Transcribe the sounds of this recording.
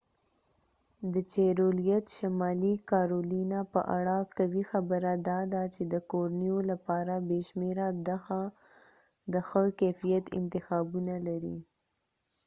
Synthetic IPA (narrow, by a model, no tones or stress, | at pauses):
d̪ət͡ʃeɾolijat̪ʃamɑlikɑɾolinapə̰ʔa̰ɽakawixabəɾad̪ɑd̪at͡ʃed̪əkoɾnijolapɑɾabeʃmeɾad̪axa | d̪əxəkɛfijat̪ɪ̰nt̪ɪxɑbunalaɾḭ